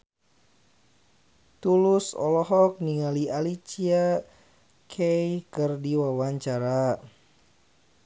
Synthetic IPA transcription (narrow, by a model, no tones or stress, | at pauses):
t̪ulusɔ̰lɔɦɔk̚niŋalialit͡ʃia | kʰɛjkɨrdiwawaɲt͡ʃaɾa